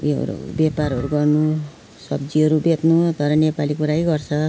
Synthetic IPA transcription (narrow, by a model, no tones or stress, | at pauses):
ḛɾṵbjepaɾɦʌɾuɡʌrnu | sʌbd͡ziɦʌɾubet̪nut̪ʌɾʌnepalikuɾajɡʌrt͡sʰʌ